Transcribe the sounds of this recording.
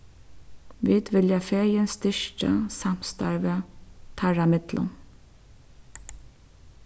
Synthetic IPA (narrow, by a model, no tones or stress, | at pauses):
ʋiːd̪ʋɪljɑfeːɾjənst̪ʏʃʈə̰sɑm̥st̪ɑɹʋət̪ʰɑɹamɪd̪lʔə̰n